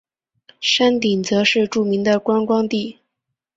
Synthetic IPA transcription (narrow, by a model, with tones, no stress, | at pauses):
ʂa˥nt̪i˨˩ŋt͡sɤ˧˥ʂɻ̩˥˧ʈ͡ʂu˥˩mi˧˥ŋd̪ə˨kwa˥nkwɑ˥ŋt̪i˥˩